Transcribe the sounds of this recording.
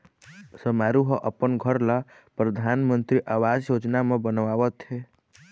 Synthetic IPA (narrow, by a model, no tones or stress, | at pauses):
səmaɾuɦɔʔəpənɡʱəɾla | pɾəd̪ʱaːnmə̃nt̪ɾiʔaːʋaːd͡ʒjoːd͡ʒnamẽbənʋaːʋət̪ɦe